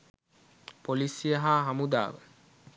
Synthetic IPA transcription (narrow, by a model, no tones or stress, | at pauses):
polisijəɦaːɦamud̪a̰ːʋə̰